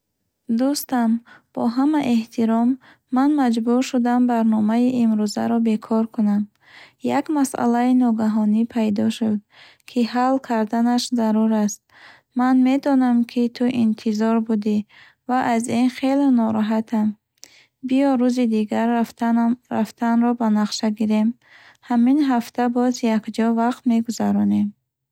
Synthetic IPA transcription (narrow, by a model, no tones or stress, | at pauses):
d̪ust̪amb̥ɔ̰ɦamaʔe̞ht̪ʰiɾɔmː | anmad͡ʒbuɾʃud̪ambaɾnɔmaiʔimɾuza̰ɾɔbe̞kʰɔɾkʰunam | jakmasa̰lainɔɡaɦɔnipʰajd̪ɔʃud̪̚ | kʰihalkʰaɾd̪anaʃzaɾuɾast̪̚ | manme̞d̪ɔnamkʰit̪ʰuʔint̪ʰizɔɾbud̪i | vaʔazinχelnɔɾɔɦat̪ʰam | bijɔɾuzid̪iɡaɾ | ɾa̰ft̪ʰanɾɔbanaqʃaɡiɾe̞m | haminɦaft̪ʰabɔzjakd͡ʒɔvaqt̪me̞ɡuzaɾɔne̞m